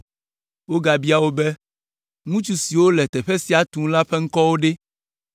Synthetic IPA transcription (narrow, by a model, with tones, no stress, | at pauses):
wo˦ɡa˨bi˦a˨wo˦bɛ˦ | ŋũ˦t͡ʃu˦si˨wo˦lɛ˨t̪ɛ˨ɸɛ˦si˨a˨t̪ũ˦la˦ɸɛ˦ŋ̩˦kɔ˦wo˦ɖe˦